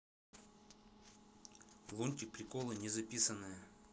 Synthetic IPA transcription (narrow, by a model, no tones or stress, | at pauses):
lˠunʲtʲɪk̚pɾʲɪkolˠɨnʲɪzɐpʲisənːɨjə